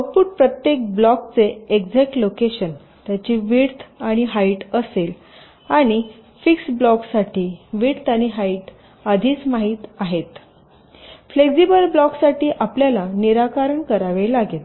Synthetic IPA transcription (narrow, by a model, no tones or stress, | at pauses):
əpuːʈ̚pɾət̪jek̚blɔkt͡seeɡd͡zɛk̚ʈlokeɕən | t̪jat͡ɕiːʋiɽt̪ʰaɽ̃iɦaiʈəsel | aɽ̃i | fiksblɔksaʈiːʋiɽt̪aɽ̃iɦaiʈ | ad̪ʱiːt͡smaɦiːt̪aɦet̪ | fleksibəlblɔksaʈiːʔapljalaniɾakaɾəɳkəɾaʋelaɡet̪